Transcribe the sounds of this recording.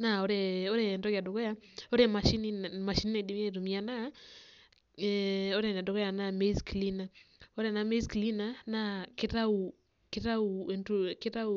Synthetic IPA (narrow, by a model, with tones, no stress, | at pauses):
na˨o˦ɾeo˦ɾe˨ndo˦ka˨do˨kɔ˦ja˦o˦ɾe˨ma˨ʃi˦ni˦ma˨ʃi˦ni˦ne˨di˦ma˦˨ɾu˨mi˦a˨na˦ | o˦ɾe˦˨n˨a˨do˨kɔ˦ja˨na˨me˦skli˦na˨o˦ɾe˨na˨me˦skli˦na˦na˦kɪ˦ta˦u˨ | kɪ˦ɾa˦u˨e˨ntukɪ˦ɾa˦u˨